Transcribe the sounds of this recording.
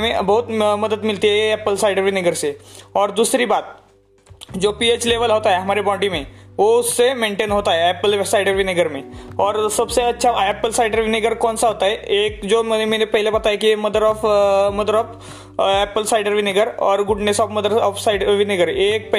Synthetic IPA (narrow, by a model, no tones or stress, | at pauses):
mebəɦut̪məd̪əd̪milt̪iɦɛeːpəlsajɖəɾʋiniɡəɾseɔɾd̪usɾibat̪̚ | d͡ʑopiet͡ɕleʋəlɦot̪aɦeɦəmaɾebɔ̃ɖimeʋousːemeɳʈenɦot̪aɦeɛpəlsajɖəɾʋiniɡəɾmeɔːɾsəbseətːɕʰaɛpəlsajɖəɾʋiniɡəɾkɔnsaɦot̪aɦeek̚d͡ʑoməmeepəɦilepət̪aɦek̬iməd̪əɾɔfməd̪əɾɔp | ɛpəlsajɖəɾʋiniɡəɾɔ̰ɾɡuɖnesɔpməd̪əɾɔfsajɖʋiniɡəɾek̚pə